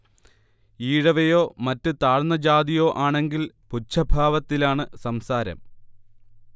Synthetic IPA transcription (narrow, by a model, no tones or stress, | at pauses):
iːɻɐʋɐjo̞ːmɐtːɨt̪aːɻnːɐd͡ʑaːd̪ijo̞ːʔaːɳe̞ŋɡilput͡ɕʰːɐbʱaːʋɐt̪ːilaːɳɨsɐmsaːɾɐ̰m